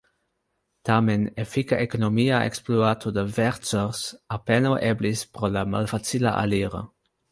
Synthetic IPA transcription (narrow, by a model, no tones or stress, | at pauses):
t̪amenefikaʔekonomiaʔḛksploat̪ʰod̪əvɛɾtsoɾsapenoʔeblispɾolama̰lfat͡sila̰ʔa̰liɾə̰